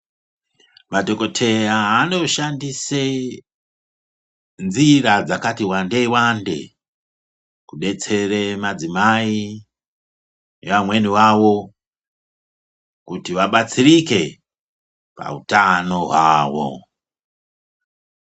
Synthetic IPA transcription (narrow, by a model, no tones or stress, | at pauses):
matokotʰejaɦano̞ʃandise | nziɾad͡zakatiwandeiwande̞̰ | kuɗe̞t͡se̞remad͡zimai | eʋamwe̞niwawo̞ | kutiwaɓat͡siɾike | pa̰ṵtano̞ɦwaːwo̰